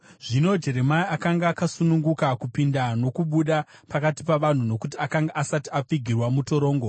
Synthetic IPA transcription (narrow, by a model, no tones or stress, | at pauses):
ʐino̞d͡ʒe̞ɾe̞maiakaŋɡaːkasunuŋɡukakupindano̞kuɓuɗapakati̥paʋan̤uno̞kutiakaŋɡaʔasatiap͡fiɡʱirwamuto̞ɾo̞ːŋɡo̞